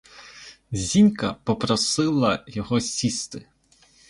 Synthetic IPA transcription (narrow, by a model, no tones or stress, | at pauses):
zʲinʲkɐpɔpɾɔsɪlˠɐjɔɦɔsʲist̪ɪ